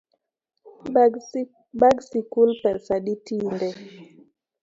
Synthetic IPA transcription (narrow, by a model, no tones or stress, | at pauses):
ɓaɡsikulpɛsaɗitindɛ